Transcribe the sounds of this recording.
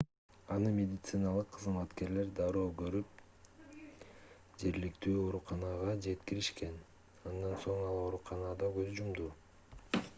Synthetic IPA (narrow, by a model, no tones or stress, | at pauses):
ɑnɯmʲed̪ʲɪt̪sɨnɑlˠɯqʰːɯzmɑt̪ke̞ɾle̞ɾd̪ɑɾoːɡøɾyp̚ | d͡ʒe̞ɾlikt̪yːo̞ɾuqɑnɑʁɑd͡ʒe̞t̪kiɾiʃke̞n | ɑnd̪ɑnso̞ɴɑlˠo̞ɾuqɑnɑd̪ɑɡøzd͡ʒumd̪uː